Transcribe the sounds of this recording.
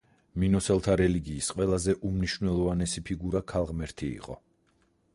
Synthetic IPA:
minɔsɛlˠt̪ʰaɾɛliɡiːsqʼwɛlˠazɛʔumniʃvnɛlˠɔvanɛsipʰiɡuɾakʰalˠʁmɛɾt̪ʰiḭqʼɔ̰

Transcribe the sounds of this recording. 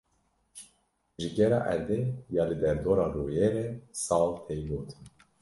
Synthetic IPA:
ʒiɡʲɛɾɑ̰ːʔɛ̰ɾd̪ejɑːlɨd̪ɛɾd̪oːɾɑːɾoːjeːɾɛsɑːlt̪ʰejloːt̪ʰɨn

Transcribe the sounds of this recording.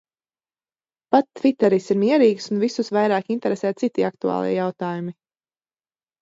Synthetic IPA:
pat̪ːvit̪ɛɾisiɾmiɛɾiːɡsunvisusvajɾaːkint̪ɛɾesɛːt̪̚sit̪iak̚t̪uɑ̰ːlˠḭɛjawt̪aːjumi

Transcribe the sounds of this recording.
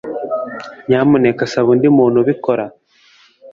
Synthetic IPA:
ɲaːmunekasaβundimuːn̤uβikoɾa

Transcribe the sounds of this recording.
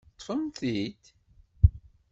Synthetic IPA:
t̪ˤːfəmθit̪

